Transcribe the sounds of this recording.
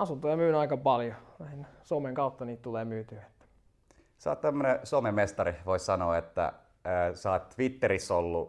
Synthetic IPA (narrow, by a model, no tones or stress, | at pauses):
ɑsunt̪ojɑmyːnɑikɑpɑljonæˑihensomeŋkɑut̪ːɑniːt̪t̪uleːmyːt̪yʋet̪ːæ̥ | sɑ̰ːt̪t̪æmːønesomemest̪ɑriʋoissɑnoːet̪ːæ̰ː | sɑːt̪t̪ʋit̪ːeɾisolːu